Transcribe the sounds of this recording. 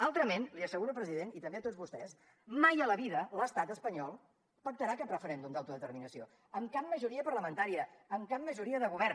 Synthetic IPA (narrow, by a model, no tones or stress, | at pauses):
alˠt̪ɾəmenliəsəɣuɾəpɾəziðenit̪əmbeət̪ozβust̪ɛs | majələβiðələst̪at̪əspəɲɔlˠ | pək̚t̪əɾakɛpɾəfəɾɛnd̪umd̪awt̪uðət̪əɾminəsio | əmkap̚mːəʒuɾiəpəɾləmə̃nt̪aɾiəːmkap̚mːəʒuɾiəðəɣuβ̞ɛrn